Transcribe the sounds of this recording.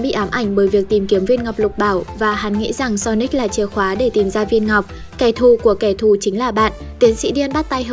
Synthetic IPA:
ɓḭ˧˨ʔaː˨˦mʔa˧˩jŋ̟ɓəː˨˦jvi˨˩ək̚t̪i˨˩mki˨˦əmvi˧ənŋa˨˩wk͡p̚lʊ˨˩k͡p̚ɓaː˧˩wvaː˨˩ha˨˦nŋḭ˧˥za˨˩ŋsɔ˧ni˦˥k̟̚laː˨˩t͡ɕi˨˦əxwaː˨˦ɗe˧˩t̪i˨˩mzaː˧vi˧ənŋa˨˩wk͡p̚ | kɛ˧˩t̪ʰu˨˩ku˧˩əkɛ˧˩t̪ʰu˨˩t͡ɕï˨˦ŋ̟laː˨˩ɓa̰ː˧˨n | t̪i˨˦ənsḭ˧˥ɗi˧ənɓa˦˥t̚t̪a˧j

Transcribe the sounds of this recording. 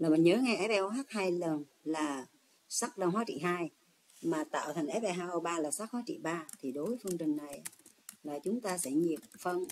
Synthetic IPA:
laː˨˩mï˨˩nɲəː˨˦ŋa˧jʔɛ˨˦˥p̚ɓɛ˧ʔo˧haː˦˥k̚haː˧jlə˨˩n | laː˨˩ | sa˦˥k̚ɗə˧wŋ͡mhwaː˨˦t͡ɕḭ˧˨ɦaː˧j | maː˨˩t̪a̰ː˧˨wt̪ʰa˨˩jŋʔɛ˨˦˥pɓɛ˧˩ɦaː˧ʔo˧ɓaː˧laː˨˩sa˦˥k̚hwaː˨˦t͡ɕḭ˧˨ɓaː˧t̪ʰi˨˩ɗo˨˦jfə˧ŋt͡ɕï˨˩ŋ̟na˨˩j | laː˨˩t͡ɕʊ˨˦ŋ͡mt̪aː˧sɛ̰˧˩ɲi˨˩əp̚fə˧n

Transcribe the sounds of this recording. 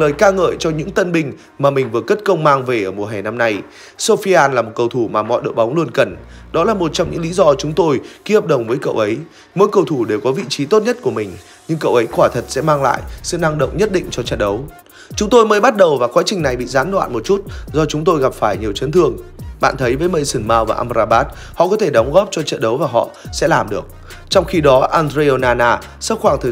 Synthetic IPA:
ləː˨˩jkaː˧ŋə̰ː˧˨jt͡ɕɔ˧ɲɨ̰˧˥ŋt̪ə˧nɓï˧˩ŋ̟ | maː˨˩mï˨˩ŋ̟vɨ˨˩əkə˦˥t̚kə˧wŋ͡mmaː˧ŋve˨˩ʔəː˧˩mu˨˩əɦɛ˨˩na˧mna˧j | so˧fi˧ʔaː˧nlaː˨˩mo˨˩kə˧wt̪ʰu˧˩maː˨˩mɔ̰˧˨jɗɨ̰˨˩k̚ɓa˨˦ŋ͡mlu˧ənkə˨˩nɗɔ˨˦laː˨˩mo˨˩t̚t͡ɕɔ˧wŋ͡mɲɨ̰˧˥ŋlḭ˧˦zɔ˧t͡ɕʊ˨˦ŋ͡mt̪o˧jki˧˦hə˨˩p̚ɗə˨˩wŋ͡mvəː˨˦jkə̰˧˨wʔə˨˦j | mo̰˧˥jkə˧wt̪ʰu˧˩ɗe˨˩wkɔ˨˦vḭ˧˨t͡ɕi˨˦t̪o˦˥t̚ɲə˦˥t̚ku˧˩əmï˨˩ŋ̟ | ɲɨ˧ŋkə̰˧˨wʔə˨˦jkwaː˧˩t̪ʰə˨˩t̚sɛ̰˧˥maː˧ŋla̰ː˧˨jsɨ̰˧˨na˧ŋɗə̰˧˨wŋ͡mɲə˦˥t̚ɗḭ̈˧˨ŋ̟t͡ɕɔ˧t͡ɕə̰˧˨nɗə˨˦w | t͡ɕʊ˨˦ŋ͡mt̪o˧jməː˨˦jɓa˦˥t̚ɗə˨˩wvaː˨˩kwaː˨˦t͡ɕï˨˩ŋna˨˩jɓḭ˧˨zaː˨˦nlwa̰ː˧˨nmo˨˩t̚t͡ɕu˦˥t̚zɔ˧t͡ɕʊ˨˦ŋ͡mt̪o˧jɣa˨˩p̚faː˧˩jɲi˨˩əwt͡ɕə˨˦nt̪ʰɨ˧əŋɓa̰ː˧˨nt̪ʰə˨˦jvəː˨˦jmə˧˩jsɨ˧˩ŋmaː˧wvaː˨˩ʔaː˧mzaː˧ɓaː˦˥t̚ | hɔ̰˧˨kɔ˨˦t̪ʰe˧˩ɗɔ˨˦wŋ͡mɣɔ˦˥p̚t͡ɕɔ˧t͡ɕə̰˧˨nɗə˨˦wvaː˨˩ɦɔ̰˧˨sɛ̰˧˥laː˨˩mɗɨ˨˩ək̚ | t͡ɕɔ˧wŋ͡mxi˧ɗɔ˨˦ʔaː˧ndɾe˧o˧naː˧naː˧ | sə˦˥t̚xwaː˧˩ŋt̪ʰə˨˩

